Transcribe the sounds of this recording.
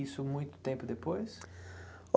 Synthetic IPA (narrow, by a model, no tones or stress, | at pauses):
isʊmũj̃t̪ʊ̥t̪ẽmpʊd̪epojs